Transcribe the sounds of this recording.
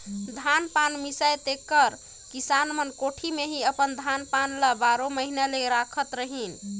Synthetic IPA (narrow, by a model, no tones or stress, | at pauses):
d̪ʱanpanmisajt̪ekːəɾ | kisanmənkoʈʰimeɦiəpənd̪ʱanpanlabaɾoməɦinaleɾakʰət̪ɾəɦin